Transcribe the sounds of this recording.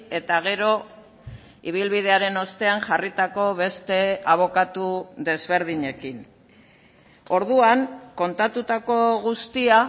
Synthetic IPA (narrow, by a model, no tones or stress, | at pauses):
e̞t̪aɣ̞e̞ɾo̞ | iβ̞ilβiðe̞aɾe̞no̞st̪e̞aŋʝarit̪ako̞βe̞st̪e̞aβ̞o̞kat̪uðe̞zβe̞ɾð̞iɲe̞kin | o̞ɾðuaŋko̞nt̪at̪ut̪ako̞ɣust̪ia